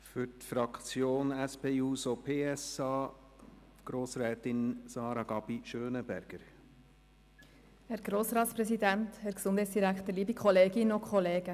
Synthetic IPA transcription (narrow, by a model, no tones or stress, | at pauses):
fʏɾtfɾɑkt͡sjoːnɛspeːuːsopʰeːɛsɑː | ɡ̥ɾoːsɾɛːt̪ɪnsɑːɾɑɡ̥ɑb̥iʃøːnəbæ̰ɾɡ̥əɾ | hɛɾɡ̥ɾoːsɾɑːtspɾɛsidænthɛɾksʊnd̥hɛɪsd̥iɾækχt̪əɾliːbikχɔleːɡɪnokχɔleːɡ̥ə